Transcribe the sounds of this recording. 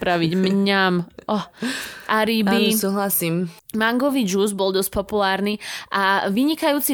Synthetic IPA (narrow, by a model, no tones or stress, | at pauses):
pɾaʋiɟmɲamʔɔʔaɾibisuːɦlasiːmmaŋɡɔʋid͡ʒuːzbɔlˠd̪ɔsc̚pɔpulaːɾniʔaʋiɲikajuːt͡si